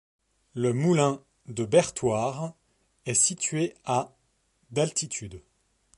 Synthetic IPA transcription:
ləmulɛ̃ | d̪əbɛʁt̪waʁ | ɛsit̪ɥea | d̪alt̪it̪ʰyd̪

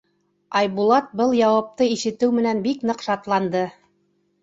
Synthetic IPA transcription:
ɑjbulˠɑt̪̚bɤlˠjɑwɑp̚t̪ɤiʃɘ̆t̪ɘwmɘ̆nænbiknɤ̆qʃɑt̪lˠɑnd̪ɤ

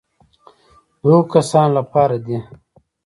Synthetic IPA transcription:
d̪oːkasaːnlapaːɾad̪i

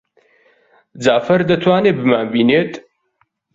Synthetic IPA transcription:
d͡zaːfɐɾd̪ɐt̪ʰwaːnebɨmaːnbiːneːt̪

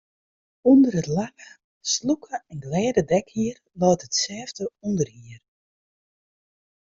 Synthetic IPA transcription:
undəɾətlax | slukʰəɛnɡlɛːdədɛkhiər | lɔːtətsɛːvdəundərhiər

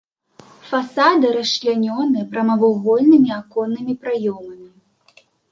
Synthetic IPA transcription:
fasad̪ɨɾɐslʲanʲɔnɨpɾɐmɐvɐwɣɔlʲnɨmʲiakɔnːɨmʲipɾajɔmɐmʲi

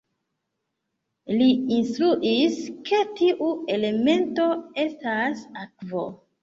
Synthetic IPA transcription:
liinstɾuʔiske̞tiʔue̞le̞me̞nto̞e̞stasakvo̞̰

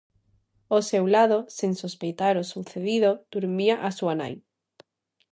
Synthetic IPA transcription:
osewlaðoseŋsospejt̪aɾosuθeðiðod̪̥uɾmiaʔasuana̰j

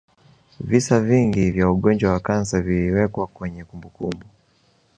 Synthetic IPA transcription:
visaviŋɡivjauɠɔnd͡ʒwawakansaviliwɛkwakwɛɲɛkumbukumbu

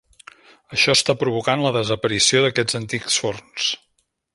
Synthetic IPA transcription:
əʃɔst̪apɾuβ̞ukanləðəzəpəɾisioðəkɛd͡zənt̪iksforns

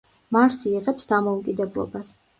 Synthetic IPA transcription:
maɾsiːʁɛpsd̪amɔukʼid̪ɛblˠɔ̰bas

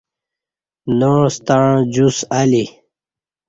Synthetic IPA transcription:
nost̪aɻ̃d͡ʑusali

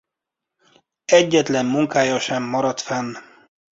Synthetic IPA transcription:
ɛɟːɛt̪lɛmːuŋkaːjɒʃɛmːɒɾɒt̪fɛn

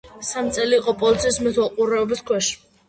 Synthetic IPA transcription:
samt̪sʼɛliːqʼɔpʼɔlit̪sʰiːsmɛt̪ʰwɛlˠqʼuɾɛɔbiskʰwɛʃi̥

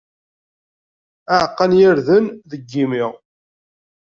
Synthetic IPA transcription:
əʕqːənjɪɾðənðəɡːimɪʁ

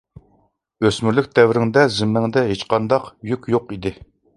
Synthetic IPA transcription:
øsmyɾlyk̚ʲd̪ɛvɾɪŋd̪ɛzɪmːɪŋd̪ɛɦet͡ʃqɑnd̪ɑqjykʲjoqid̪ɪ

